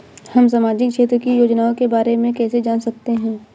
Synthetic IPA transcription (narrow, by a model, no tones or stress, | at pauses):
hɐmsaːmaːd͡ʒɪkʃeːt̪ɾəkijoːd͡ʒnaːõkebaːɾemẽkɛːsed͡ʒaːnsɐk̚t̪eɦɛ̃ː